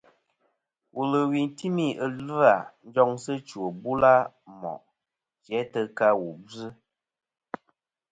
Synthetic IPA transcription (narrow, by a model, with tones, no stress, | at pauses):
wʔu˨lə˨wi˨n˨ti˦mi˦ə˨l̩˦a˨n̩˦d͡ʒɔ˦ŋsə˦t͡ʃu˨o˨bu˦la˦ | mɔ̰˨ʔ | t͡ʃɛ˨˦tə˦ka˦wu˨bɨ˦